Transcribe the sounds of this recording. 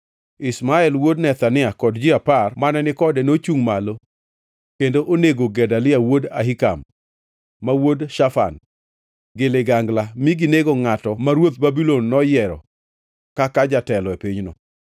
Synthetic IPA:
ɪsmaɛlwodnɛt̪anɪakɔdd͡ʒɪaparmanɛnɪkɔdɛnot͡ʃuŋmalo | kendoʔoneɡoɡɛdalɪawoda̰ɦika̰mː | awodʃafa̰n | ɡɪlɪɡaŋɡlamiɡineɡoŋatɔmaɾwot̪̚babilonːɔjɛɾɔ | kakad͡ʒatɛlɔepiɲnɔ̰

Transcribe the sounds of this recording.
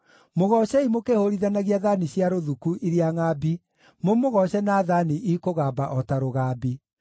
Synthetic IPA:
moɣɔɕɛimokehoɾiðanaɣiaðaniɕjaɾoðukuʔiɾjaŋabi | momoɣɔɕɛnaːðaniʔikoɣabaʔɔtaɾoɣaːbi

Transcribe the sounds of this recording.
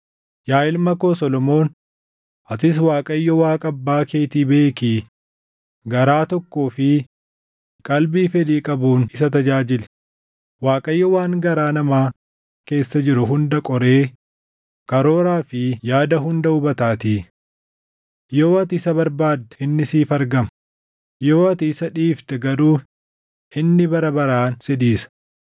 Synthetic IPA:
jaːɪlmɐko̞ːsɔlɔmo̞ːn | ʔɐt̪ɪs̬waːkʼɐjːɔwaːkʼɐbːaːke̞ːt̪iːbe̞ːki | ɡɐɾaːt̪ɔkːoːfɪ | kʼɐlbiːfɛd̪iːkʼɐbuːnɪsɐt̪ɐd͡ʒaːd͡ʒɪlɛ̥ | waːkʼɐjːɔwaːŋɡɐɾaːnɐmaː | ke̞ːsːɐd͡ʒɪɾʊɦʊnd̪ɐkʼɔɾe̞ː | kɐɾo̞ːɾaːfɪjaːd̪ɐɦʊnd̪ɐʊbɐt̪aːt̪iː | joːɐt̪ɪɪsɐbɐɾbaːd̪ːɐɪnːɪsiːfɐɾɡɐmɐ | jo̞ːɐt̪ɪɪsɐᶑiːft̪ɛɡɐɾuː | ʔɪnːɪbɐɾɐbɐɾaːnsɪd̪iːsɐ̥

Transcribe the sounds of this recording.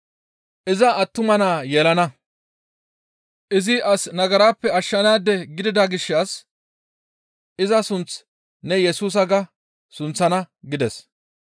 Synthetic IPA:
ʔɪzɐʔɐt̪ːʊmɐnaːjɛːlɐnɐ | ʔɪzɪʔɐsnɐɡɐɾaːpːɛɐʃːɐnaːd̪ɛɡɪd̪ɪd̪aːɡɪʃːas | ʔɪzɐsʊnt͡s | nɛjɛsuːs̬ɐɡɐ | sʊnt͡sːɐnɐɡɪd̪ɛs

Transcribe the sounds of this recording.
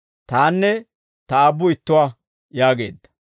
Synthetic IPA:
t̪aːnːɛ | t̪ɐːbːʊɪt̪ːʊwaː | jaːɡe̞̰ːd̪ːɐ

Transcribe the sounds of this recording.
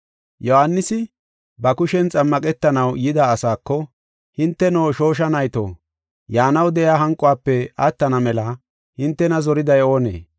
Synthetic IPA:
jɔhanːɪsɪ | bɐkʊʃɛnt͡sʼɐmːɐkʼɛt̪ːɐnɐwjɪd̪aːsaːkːɔ | hɪnt̪ːɛnoːʃo̞ːʃ̬ɐnɐjt̪o̰ː | jaːnɐwd̪ɛjaːɦɐŋkʼːʊwaːpːɛɐt̪ːɐnɐmɛlɐ | hɪnt̪ːɛnɐzɔɾɪd̪ɐjo̞ːnḛː

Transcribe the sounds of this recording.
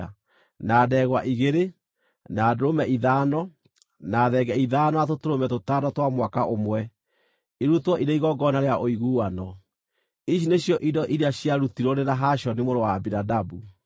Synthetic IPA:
naːdɛɣwaʔiɣeɾe | naːdoɾomɛiðanɔ | naːðɛɡɛiðaːnɔatotoɾomɛtotanɔtwamwakaʔomwɛ | iɾutwɔʔiɾeiɣɔɡɔnaɾeaʔoiɣuːwanɔ | iʃ̬ineɕjɔʔidɔʔiɾeaɕjaɾutiɾoɾeɾaɦaɕɔnimoɾowaːbinadabu

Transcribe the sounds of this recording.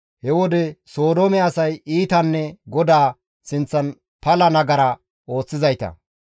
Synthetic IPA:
hɛwɔd̪ɛso̞ːd̪omɛɐsɐjiːt̪ɐnːɛɡɔd̪aː | sɪnt͡sːɐn | pɐlɐnɐɡɐɾɐ | ʔo̞ːt͡sːɪzɐjt̪ɐ̰

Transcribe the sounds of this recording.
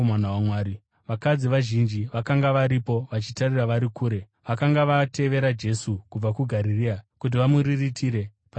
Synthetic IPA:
manawamwaːɾi | ʋakad͡ziʋaʒind͡ʒiʋakaŋɡaʋaɾipo̞ʋat͡ʃitariraʋaɾikuːɾe̞ | ʋakaŋɡaʋate̞ʋe̞ɾad͡ʒe̞sukub͡vakuɡʱaɾiriakut̬iʋamuɾiritʰiɾe̞ | pa

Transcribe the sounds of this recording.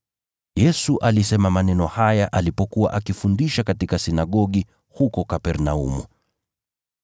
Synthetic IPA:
jɛsuʔalisɛmamanɛnɔhajaʔalipɔkuwa̰ʔakifundiʃakatikasinaɠɔɠi | hukɔkapɛɾnaṵmṵ

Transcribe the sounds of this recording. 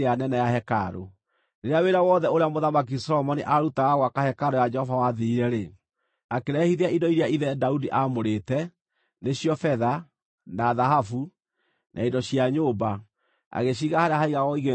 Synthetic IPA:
anɛnɛjahɛkaɾo̰ | neɾeaweɾawɔːðɛoɾeamoðamak̬isɔɾɔmɔniʔaɾutaaɣwakahɛkaɾojad͡ʒɛhɔvawaðiiɾɛɾe | akeɾɛhiðeaindɔiɾeaiðɛdaudiʔamoɾetɛ | neɕjɔfɛða | naðaɦafu | nʔa̰indɔɕiaɲoːba | a̰ɣeɕ̬iːɣahaɾeahaiɣaɣɔiɣe

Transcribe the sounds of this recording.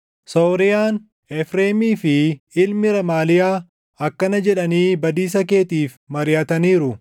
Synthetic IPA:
soːɾɪjaːn | ɛfɾeːmiːfɪɪlmɪɾɐmaːlɪjaː | ɐkːɐnɐd͡ʒɛᶑɐniːbɐd̪iːs̬ɐke̞ːt̪iːf | mɐɾɪjɐt̪ɐniːɾʊ

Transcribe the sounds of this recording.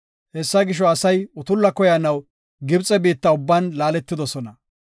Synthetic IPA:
hɛsːɐɡɪʃ̬ɔɐsɐjʊt̪ʊlːɐkɔjɐnɐw | ɡɪbt͡sʼɛbiːt̪ːɐʊbːɐnlaːlɛt̪ːɪd̪ɔsɔnɐ

